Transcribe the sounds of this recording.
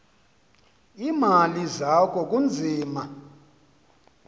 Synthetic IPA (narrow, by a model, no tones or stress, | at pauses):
imalizakʰɔk̬ʼund͡zʱiːma